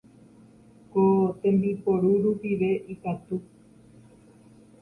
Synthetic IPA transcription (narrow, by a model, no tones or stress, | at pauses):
kot̪ẽ̞mbipoɾuɾupiʋe̞ʔikat̪u